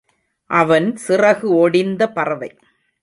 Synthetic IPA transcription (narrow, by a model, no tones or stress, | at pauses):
ʔɐʋɐnsɪrɐɣɯɔɽɪnd̪ɐpɐrɐʋɐɪ